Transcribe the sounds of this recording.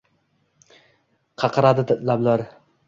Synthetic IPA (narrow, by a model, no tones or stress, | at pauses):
qʰɑqʰɑɾad̪ɪlablaɾ